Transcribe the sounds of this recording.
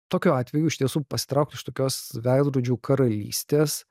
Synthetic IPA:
t̪oːkʲuːɑːt̪ʲʋʲɛjuːɪʃʲt̪ʲiɛsuːpɐsʲɪ̥t̪ɾɐʊk̪̚ʲɪʃt̪oːkʲoːsʋʲæɪd̪ɾuːd͡ʒʲuːkʰɐɾɐlʲḭːsʲt̪ʲeːs

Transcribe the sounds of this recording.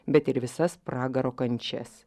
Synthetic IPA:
bʲɛt̪ɪɾʋʲɪsɐspɾɑːɡɐɾoːkɐnʲt͡ʃʲɛ̰s

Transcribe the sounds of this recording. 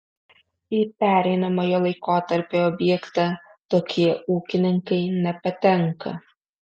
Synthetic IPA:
ipʲæːɾʲɛɪnɐmoːjoːlˠɐɪkoːt̪ɐɾʲpʲeɔːbʲjɛkt̪ɑt̪oːkʲʰiɛuːkʲɪnʲɪŋkɐɪnʲɛpɐt̪ʲɛŋkɐ̰

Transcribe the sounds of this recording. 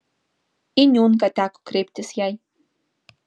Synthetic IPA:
ɪɲuŋkat̪ako̥kɾɪp̚t̪ɪsjaj

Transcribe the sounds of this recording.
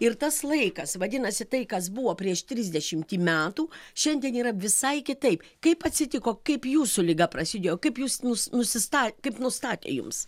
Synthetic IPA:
ɪɾt̪ɐslˠɐɪkɐsʋɐd̪ʲɪnɐsʲɪt̪ɐɪkɐs̬buʋoːpʲɾʲiɛʃt̪ʲɾʲɪzʲd̪ʲɛʃʲɪmʲt̪ʲiːmʲæːt̪uːʃʲɛnʲd̪ʲiɛniːɾɐʋʲɪsɐɪkʲɪt̪ɐɪpkɐɪpɐt̪ʲsʲɪt̪ʲɪkoːkɐɪpjuːsʊlʲɪɡɐpɾɐsʲɪd̪ʲeːjoːkɐɪpjuːsnʊsnʊsʲɪst̪ɑːkɐɪpnʊst̪ɑːt̪ʲḛːjʊ̰ms

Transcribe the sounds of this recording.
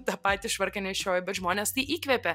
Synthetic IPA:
t̪ɑpɑːt̪ʲiʃʋɐɾʲkʲɛnʲɛɪʃʲjʲoːjɪbʲɛt̪ʒmoːnʲeːst̪ɐɪʔiːkʋʲɛpʲɛ

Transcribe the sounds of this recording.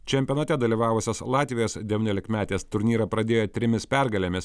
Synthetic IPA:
t͡ʃʲɛmʲpʲijɛnɐt̪ʲɛd̪ɐlʲiːʋɑːʋʊsʲoːslˠɑːt̪ʲʋʲɪjoːsd̪ʲɛʋʲiːnʲoːlʲɪkmʲæːt̪ʲeːst̪ʊɾʲnʲiːɾɐpɾɐd̪ʲeːjoːt̪ʲɾʲɪmʲɪspʲæɾɡɐlʲemʲɪs

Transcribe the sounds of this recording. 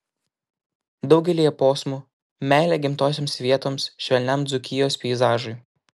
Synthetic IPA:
d̪ɒʊɡʲɛlʲiːjɛpoːsmuː | mʲæˑːlʲeːɡʲɪmt̪oːsʲeːmsʋʲiɛt̪oːmsʃʲʋʲɛlʲnʲɛmd̪zʊkʲɪjoːspʲɛɪzɑːʒʊɪj

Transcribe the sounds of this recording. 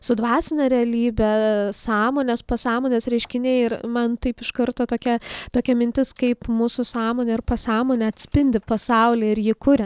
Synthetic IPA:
sʊd̪ʋɑːsʲɪnʲɛɾʲɛɐlʲiːbʲɛsɑːmoːnʲɛspɐsɑːmoːnʲesɾʲɛɪʃʲkʲɪnʲɛɪɪrmɐnt̪ɐɪpɪʃkɐɾt̪oːt̪oːkʲɛt̪oːkʲɛmʲɪnʲt̪ʲɪskɐɪpmuːsʊsɑːmoːnʲɛɪrpɐsɑːmoːnʲɛɐt̪ʲsʲpʲɪnʲd̪ʲɪpɐsɐʊlʲiːɪɾjɪːkʊɾʲɛ

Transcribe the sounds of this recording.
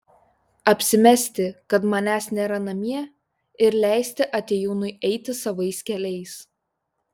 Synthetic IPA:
ɐpʲsʲɪmʲɛsʲt̪ʲɪkɐt̪mɐnʲæːsnʲeːɾɐnɐmʲiɛ | ɪɾlʲæˑɪsʲt̪ʲɪʔɐt̪ʲeːjuːnʊɪʔɛɪt̪ʲɪsɐʋɐɪskʲɛlʲɛɪs

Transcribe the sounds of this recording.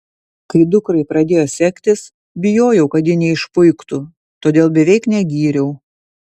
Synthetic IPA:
kɐɾʲɪd̪ʊkɾɐɪpɾɐd̪ʲeːjoːsʲɛkʲt̪ʲɪs | bʲɪjoːjɛʊkɐt̪jɪnʲɛɪʃpʊɪkt̪u | t̪oːd̪ʲeːlˠbʲɛʋʲɛɪknʲɛɡʲiːɾʲɛʊ

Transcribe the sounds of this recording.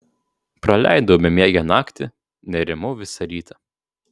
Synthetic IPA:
pɾɐlʲæ̰ɪd̪oʊbʲɛmʲeɛɡʲɛnɑːkt̪ʲɪ | nʲɛɾʲɪmʊʋʲɪsɐɾʲiːt̪ʰɐ

